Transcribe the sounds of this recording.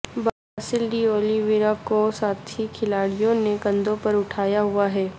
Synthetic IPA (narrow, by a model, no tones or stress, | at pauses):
ba | aːsɪlɖioːliʋiɾakosaːt̪ʰikʰɪlaːɽijõneɡɐ̃nd̪õpɐɾʊʈʰaːjaɦʊaɦɛː